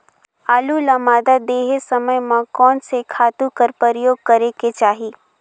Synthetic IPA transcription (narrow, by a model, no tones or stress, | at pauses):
aːlulamaːd̪ad̪eːɦesɐməjmãkɔːnsekʰaːt̪ukəɾpəɾjoːɡ̚kɐɾeket͡ʃaːɦiː